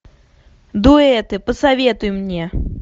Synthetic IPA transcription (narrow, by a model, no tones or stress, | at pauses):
d̪uɛt̪ɨpəsavʲet̪ʊjmnʲe